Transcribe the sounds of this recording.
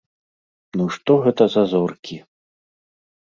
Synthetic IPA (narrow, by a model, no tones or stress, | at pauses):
nuʂt̪ɔɣɛt̪ɐzɐzɔrkʲʰi